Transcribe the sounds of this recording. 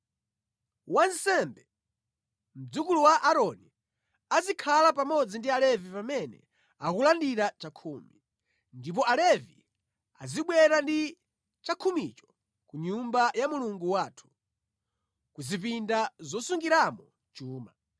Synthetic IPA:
wansɛmbɛ | m̩d͡zukuluwaʔaɾɔni | azikʰalapamɔd͡zindialɛvipamɛnɛ̰ | akulandiɾat͡ʃakʰumi | ndip̬ɔalɛvi | a̰ziɓwɛɾandi | t͡ʃakʰumit͡ʃɔ̥ | kuɲumbajamuluŋɡuwaːtʰu̥ | kuzip̬indazɔsuŋɡiɾamɔ | t͡ʃuːma

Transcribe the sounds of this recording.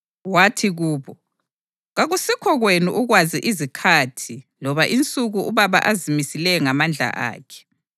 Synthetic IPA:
watʰiɣuːβɔ | ɣaɣusikʰɔɣwenuʔuɣwaziʔizikʰatʰilɔβaʔint͡sʼuɣuuβaβa̰ʔazimisilɛŋamand͡ɮʱa̰ʔa̰ːkʰɛ̥

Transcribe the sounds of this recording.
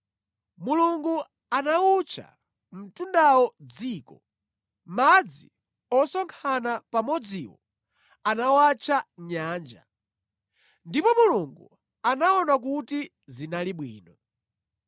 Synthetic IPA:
muluŋɡu | anaut͡ʃʰa̰ | m̩tundawɔd͡ziːkɔ | mad͡zi | ɔsɔŋkʰanapamɔd͡ziwɔ̰ | anawat͡ʃʰaɲaːnd͡ʒa̰ | ndipɔmuluŋɡu | anaɔnak̬uti | zinaliɓwiːnɔ

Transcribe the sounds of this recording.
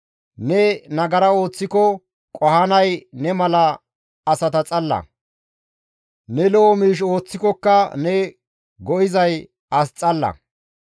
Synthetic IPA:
nɛnɐɡɐɾɐo̞ːt͡sːɪkɔ | kʼɔhɐnɐjnɛmɐlɐː | sɐt̪ɐt͡sʼɐlːɐ̰ | nɛlɔɔmiːʃ̬o̞ːt͡sːɪkɔkːɐnɛ | ɡɔʔɪzɐj | ɐst͡sʼɐlːɐ̰

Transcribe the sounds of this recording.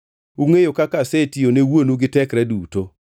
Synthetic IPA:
uŋejokakasetijonewonuɡɪtɛkɾɛduːto

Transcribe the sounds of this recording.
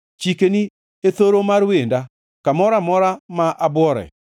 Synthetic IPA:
t͡ʃikeni | et̪oɾomaɾwenda | kamɔɾamɔɾamaʔabwɔɾɛ̰

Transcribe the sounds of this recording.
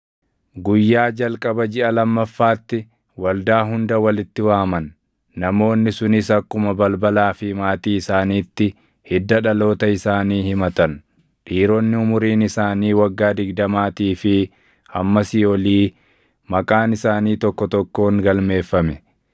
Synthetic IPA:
ɡʊjːaːd͡ʒɐlkʼɐbɐd͡ʒɪʔɐlɐmːɐfːaːt̪ːɪ | wɐld̪aːɦʊnd̪ɐwɐlɪt̪ːɪwaːmɐnː | ɐmo̞ːnːɪsʊnɪsɐkːʊmɐbɐlbɐlaːfɪmaːt̪iːɪsaːniːt̪ːɪ | hɪd̪ːɐᶑɐlo̞ːt̪ɐɪsaːniːhɪmɐt̪ɐn | ᶑiːɾɔnːɪʊmʊɾiːnɪsaːniːwɐɡːaːd̪ɪɡd̪ɐmaːt̪iːfɪ | hɐmːɐsɪɔliː | mɐkʼaːnɪsaːniːt̪ɔkːɔt̪ɔkːo̞ːŋɡɐlme̞ːfːɐmɛ

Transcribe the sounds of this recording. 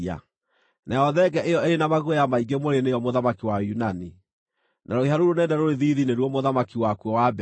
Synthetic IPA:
a̰ | naɔðɛɡɛʔejɔeɾenamaɣojamaiɡemoɾenejɔmoðamakiwajunani | naɾoeɦaɾoɾonɛːndɛɾoɾeðiːðineɾwɔmoðamakiwakwɔwab

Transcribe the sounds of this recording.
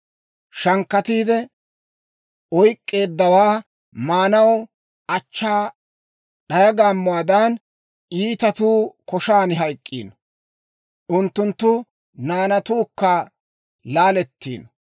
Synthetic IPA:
ʃɐŋkːɐt̪iːd̪ɛ | ɔjkʼːe̞ːd̪ːɐwaː | maːnɐw | ʔɐt͡ʃːaː | ɗɐjɐɡaːmːʊwaːd̪ɐn | iːt̪ɐt̪uːkɔʃaːnɪɦɐjkʼːḭːn | ʔʊnt̪ːʊnt̪ːʊ | naːnɐt̪uːkːɐ | laːlɛt̪ːḭːn

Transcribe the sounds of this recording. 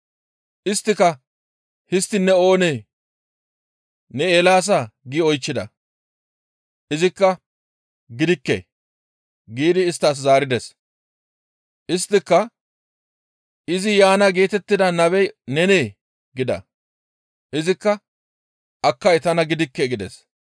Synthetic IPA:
ʔɪst̪ːɪkɐ | hɪst̪ːɪnːɛo̞ːneː | nɛeːlaːs̬aɡiɔjt͡ʃːɪd̪ɐ̰ | ʔɪzɪkːɐ | ɡɪd̪ɪkːḛː | ɡiːd̪ɪːst̪ːaːs̬zaːɾɪd̪ɛs | ʔɪst̪ːɪkːɐ | ʔɪzɪjaːnɐɡe̞ːt̪ɛt̪ːɪd̪ɐnɐbɛjnɛneː | ɡɪd̪ɐ̰ | ʔɪzɪkːɐ | ʔɐkːɐjt̪ɐnɐɡɪd̪ɪkːeɡɪd̪ɛ̰s

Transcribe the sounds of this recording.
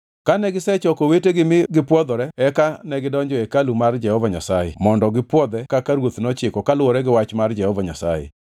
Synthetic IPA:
kanɛɡɪsɛt͡ʃɔkoweteɡɪmɪɡɪpwɔd̪ɔɾɛɛkanɛɡɪdɔɲd͡ʒɔekalumard͡ʒɛhɔvaɲa̰sajɛ̰mɔndɔɡɪpwɔd̪ɛkakaɾwot̪nɔt͡ʃɪkɔkalwɔɾɛɡɪwat͡ʃmard͡ʒɛhɔvaɲa̰sa̰jɛ̰

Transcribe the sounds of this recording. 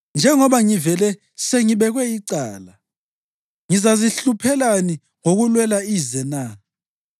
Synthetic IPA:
nd͡ʒʱɛŋɔβaŋivɛlɛ | seŋiɓɛɣwɛiǀaːla | ŋizaziɬupʰɛlani | ŋoɣulwɛlaizɛnaː

